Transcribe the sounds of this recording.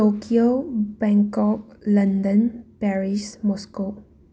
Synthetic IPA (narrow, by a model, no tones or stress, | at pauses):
okiobɛ̃ŋkɔk̚lɐndənpɛɾismɔsko